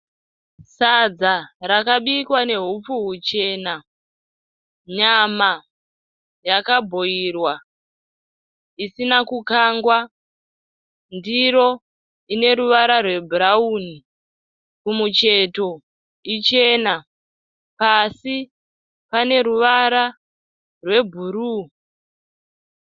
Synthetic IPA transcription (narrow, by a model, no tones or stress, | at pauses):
sad͡zaɾakaɓikwane̞ɦup͡fuɦut͡ʃe̞na | ɲama | jakabʱo̞irwa | isinakukaŋɡwa | ndiɾo̞ | ine̞ɾuʋaɾarwe̞bʱuɾauːni | kumut͡ʃe̞to̞ | it͡ʃe̞na | pasi | pane̞ɾuʋaɾa | rwe̞bʱuɾu